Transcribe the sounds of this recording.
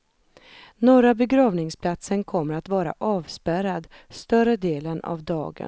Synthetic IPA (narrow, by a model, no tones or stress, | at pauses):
noːɾabɛɡɾɑːvnɪŋspʰlat̪sənkʰɔmːəɾat̪vɑːɾa̰ʔɑːvspæɾad̪st̪œɾəd̪eːləna̰vd̪ɑ̰ːɡə̰n